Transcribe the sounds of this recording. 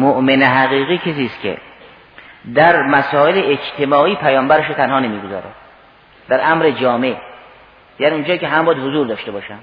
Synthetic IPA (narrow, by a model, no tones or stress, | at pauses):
moʔmeneɦæɣiːɣiːkʰes̬iːst̪kʲʰḛ | d̪æɾmæsɒːeleʔed͡ʒt̪ʰemɒːiːpʰæjɒːmbæɾeʃot̪ʰænhɒːnemiːɡozɒ̰ːɾæ̰d̪ | d̪æɾʔæmɾed͡ʒɒːme̞ | jæːniund͡ʒɒːiːkʲeɦæmbɒːjæd̪hozuːɾd̪ɒːʃt̪ebɒːʃæm̥